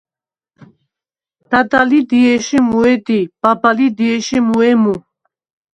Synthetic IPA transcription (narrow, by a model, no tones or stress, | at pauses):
d̪̥ad̪alid̪iɛʃimuɛd̪ib̥abalid̪iɛʃimuɛmu